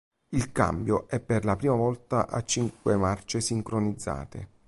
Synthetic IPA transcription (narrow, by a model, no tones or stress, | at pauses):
ilka̰mbjoʔɛpːerlapɾiːmavɔlt̪aʔat͡ʃːiŋkwemart͡ʃesiŋkɾonid̪zːa̰ːt̪ḛ